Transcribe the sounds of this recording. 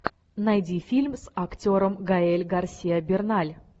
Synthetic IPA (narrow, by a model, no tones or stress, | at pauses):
najd̪ʲifʲilʲmsakt̪ʲoɾəmɡaelʲɡarsʲijabʲernalʲ